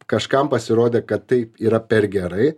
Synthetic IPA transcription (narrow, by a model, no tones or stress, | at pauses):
kɐʃkɐmpɐsʲɪɾoːd̪ʲeːkɐt̪tɐɪpiːɾɐpʲɛɾɡʲɛɾɐɪ